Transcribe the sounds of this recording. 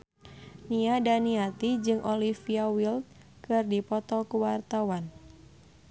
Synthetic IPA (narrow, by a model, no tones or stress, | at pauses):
niadaniat̪id͡ʒɨŋʔɔlifiawilt̪̚ | kɨrdipɔt̪ɔkuwart̪awan